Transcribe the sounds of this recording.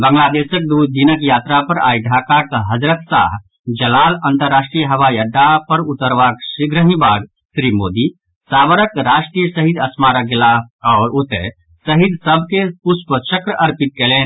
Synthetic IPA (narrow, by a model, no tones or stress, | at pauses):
bəŋɡlaːd̪eːsək̚d̪uːd̪d̪inəkjaːt̪ɾapɐɾa̰ːiɖʱaːkakɦɐd͡ʒɾət̪sa̰ːɦ | d͡ʒəlaːlɐ̃nt̪əɾːaːʃʈɾijəɦɐʋajəɖːapəɾʊt̪əɾʋaːksɪɡɾəɦĩbaːɡ | sɾimoːd̪i | saːʋəɾəkɾaːʃʈɾijəsəɦid̪ɐsmaːɾəɡlaɔːɾʊt̪e | səɦid̪səb̚ʱkepʊspət͡ʃəkɾəʔɐɾpɪt̪̚keleːn